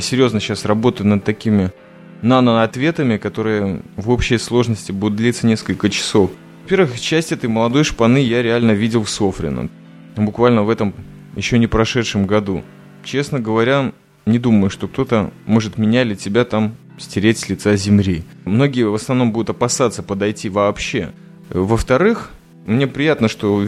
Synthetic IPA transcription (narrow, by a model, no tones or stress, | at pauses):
sʲɪɾʲjo̞znəɕːasrɐbo̞t̪əʊnəd̪̚t̪ːɐkʲimʲɪ | nanəɐt̪vʲet̪əmʲɪkɐt̪o̞ɾɨjəvo̞pɕɪjəslˠo̞ʐnəsʲtʲɪbud̪ʊt̪d̪ʲlʲit̪sənʲe̞skəlʲkət͡ɕɪ̥so̞f | vɐpʲe̞ɾvɨxt͡ɕæsʲtʲɛt̪əjməlˠɐd̪o̞jʂpɐnɨjaɾʲɪalʲnəvʲidʲɪlˠfsofɾʲɪ̰nə̰ | bʊkvalʲnəvɛt̪əm | jɪ̰ɕːonʲɪpɾɐʂɛt̪ʂɨmɡɐd̪ṵ | t͡ɕe̞snəɡəvɐɾʲa | nʲɪd̪uməjʊʂt̪o̞kt̪o̞t̪əmo̞ʐɨt̪mʲɪnʲalʲɪtʲɪbʲat̪am | sʲtʲɪɾʲetʲsʲlʲɪt̪sazʲɪmlʲi | mno̞ɡʲɪjəvəsnɐvno̞mbud̪ʊt̪ɐpɐsat̪sːəpəd̪ɐjtʲivɐːpɕːe | vəft̪ɐɾɨx | mnʲe̞pɾʲɪjat̪nəʂt̪o̞